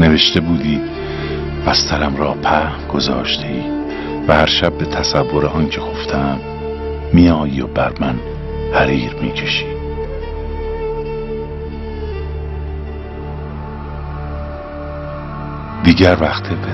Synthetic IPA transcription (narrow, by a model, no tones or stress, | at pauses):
ne̞ve̞ʃt̪e̞buːd̪iː | bæst̪ʰæɾæmɾɒːpʰæ | ɡ̥o̞zɒ̰ːʃt̪ʰe̞iː | væhæɾʃæb̚ːet̪ʰæsævːoɾeɒːncʰeɡoft̪ʰæmː | ijɒːjiːobæɾmæn | hæɾiːɾmḭːcʰe̞ʃi̥ː | d̪̥iːɟæɾvæxt̪ʰeb